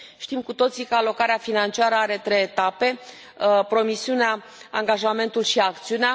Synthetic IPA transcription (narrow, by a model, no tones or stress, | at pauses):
ʃt̪imkut̪o̞t̪sikəalo̞kaɾeafinant͡ʃiaɾəaɾe̞t̪ɾejet̪ape̞ | pɾo̞misiunea | aŋɡaʒame̞nt̪ulʃiakt̪siunea